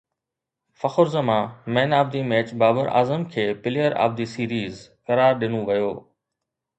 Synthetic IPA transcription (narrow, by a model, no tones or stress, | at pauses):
fɐxʊɾzəmãmɛ̃ːnaːbd̪imɛːt͡ɕbaːbəɾʔa̰ːzəmkʰeːpɪlijəɾa̰ːb̚d̪iːsiːɾiːzkɐɾaːɾɗɪnõʋɐjoː